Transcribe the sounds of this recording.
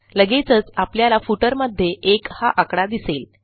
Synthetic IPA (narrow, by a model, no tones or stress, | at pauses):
ləɡet͡sət͡sapljalafuʈəɾməd̪ʱːjeʔekhaʔakɽad̪isel